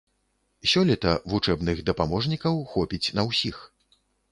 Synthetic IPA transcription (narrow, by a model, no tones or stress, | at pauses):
sʲɔlʲɛt̪ɐvut͡ʂɛbnɨɣd̪ɐpamɔʐnʲikɐwxɔpʲit͡sʲnɐwsʲix